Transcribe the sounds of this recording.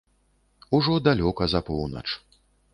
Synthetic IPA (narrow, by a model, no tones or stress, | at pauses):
uʐɔd̪alʲɔkɐzɐpɔwnɐ̰t͡ʂ